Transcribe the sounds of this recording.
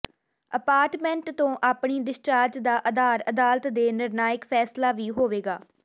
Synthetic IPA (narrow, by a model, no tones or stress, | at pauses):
əpaːɾʈmɛ̃ɳʈt̪õːʔaːpɳiːd̪ɪʃt͡ʃaːɾd͡ʒd̪aːʔəd̪aːɾəd̪aːlt̪d̪eːnɪɾnaːjɪkpʰɛːslaːʋiːɦoːʋeːɡaː